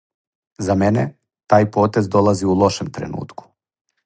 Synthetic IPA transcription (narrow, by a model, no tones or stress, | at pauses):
zamenḛ | t̪aːjpo̞ːt̪e̞zd̪o̞laziulˠo̞ʃemt̪ɾe̞̰nṵːt̪ku̥